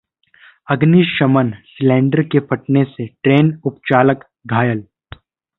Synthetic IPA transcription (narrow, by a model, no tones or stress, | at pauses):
ɐɡniːʃʃɐmənslɛ̃ːɳɖəɾkepʰɐʈneseʈɾeːnʊpt͡ʃaːlək | ɡʱaːjəl